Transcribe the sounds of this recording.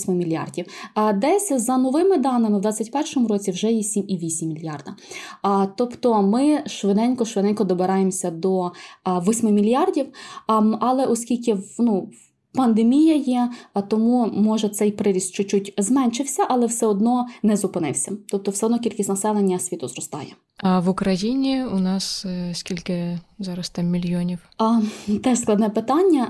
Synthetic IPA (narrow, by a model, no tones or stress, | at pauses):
sʲmɪmʲilʲijɑ̰rdʲiwd̪ɛsʲzɐnɔʋɪmɪd̪ɑnɪmɪwd̪ʋɑt͡sʲːɐtʲpɛrʃɔmʊɾɔt͡sʲiwʒɛjɛsʲimiʋʲisʲimʲːilʲjɑ̰rd̪ɐ | t̪ɔpt̪ɔmɪʃʋɪd̪ɛnʲkɔʃʋɪnɛnʲkɔd̪ɔbeɾɑjemsʲɐd̪ɔʋɔsʲmɪmʲilʲjɑrdʲiw | ɐlˠɛʔɔskʲilʲkɪnu | pɐnd̪emʲijɐjɛt̪ɔmumɔʒɛt̪sɛjpɾɪɾʲist̪t͡ʃɔt͡ʃːutʲzmɛnʲʃɪwsʲɐʔɐlˠɛwsɛɔd̪nɔnɛzʊpɪnɪ̰wsʲɐt̪ɔp̚t̪ɔwsɛɔd̪nɔkʲilʲkʲisʲtʲnɐsɛlˠenʲːɐsʲʋʲit̪ʊzrɔst̪ɑ̰jɛ̰ | ɐʋʊkɾɐjinʲiʊnɑsskʲilʲkɪzɑɾɐst̪ɑmːʲilʲjɔnʲiw | t̪ɛʃsklˠɑd̪nɛpɪt̪ɑnʲːɐ